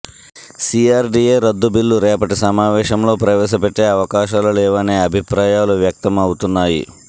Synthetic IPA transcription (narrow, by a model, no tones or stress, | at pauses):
siaːɾɖieːɾɐd̪ːubilːuɾeɐpɐʈisɐmaːʋɛːʃɐmloːpɾɐʋeːsɐpeʈːeːɐʋɐkaːʃɐlɐlɛːʋaneːɐbʱipɾaːjaːluʋjɐk̚t̪ɐmaːwut̪unːaːjḭ